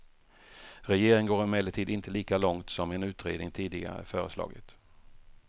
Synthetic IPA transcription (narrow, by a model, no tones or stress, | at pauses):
ɾɛjeːɾɪŋɡoːɾɪmɛlɪʈ̪ʰiːd̪ɪnt̪ʰəliːkalɔŋt̪sɔmɛnʉ̟ːt̪ɾeːd̪nɪŋt̪ʰiːd̪ɪɡa̰ɾəæ̰fœːɾəslɑ̰ːɡə̰t̪